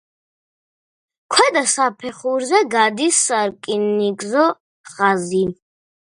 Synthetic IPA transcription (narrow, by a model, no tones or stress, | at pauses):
kʰwɛd̪asapʰɛχuɾzɛɡad̪isːaɾkʼinːiɡʼzɔ | χazi